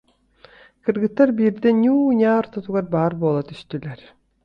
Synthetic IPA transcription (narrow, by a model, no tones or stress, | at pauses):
kɯɾɡɯt̪ːaɾbiːɾd̪ɛnʲuːɲʲaːɾt̪ɔt̪uɡaɾbaːɾbuɔːlˠat̪yst̪ylɛɾ